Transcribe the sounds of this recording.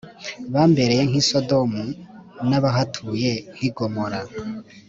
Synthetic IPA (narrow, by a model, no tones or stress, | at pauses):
βaːmbe̞ɾe̞jeŋ̥hisodo̞munaβaɦatʰuːje̞ŋ̥hiɡomoɾa